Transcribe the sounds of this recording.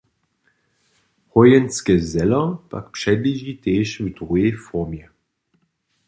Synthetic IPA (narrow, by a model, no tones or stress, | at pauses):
hɔjɛnskəzɛlɐpa̰kpʃɛdliʒiteːʃvudʁuefɔʁmjɛ